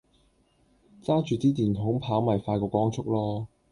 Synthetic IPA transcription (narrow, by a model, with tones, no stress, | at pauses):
t͡saː˥t͡ʃyː˨˧t̪iː˥t̪iː˨˩nt̪ʰʊ˨˥ŋpʰaː˨˥wmɐ˨˩jfaː˧jkɔː˧kɔː˥ŋt͡sʰʊ˥k̚lɔː˥